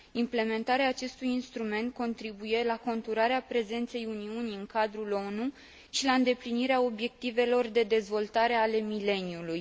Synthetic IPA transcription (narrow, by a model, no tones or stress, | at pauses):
imple̞me̞nt̪aɾeaːt͡ʃe̞st̪ujinst̪ɾume̞nt̪̚ko̞nt̪ɾibuje̞lako̞nt̪uɾaɾeapɾe̞ze̞nt̪se̞juniuniɨŋkad̪ɾulo̞nu | ʃilaɨnd̪e̞pliniɾeao̞bje̞k̚t̪ive̞lo̞rd̪e̞d̪e̞zvo̞lt̪aɾe̞ale̞mile̞niuluj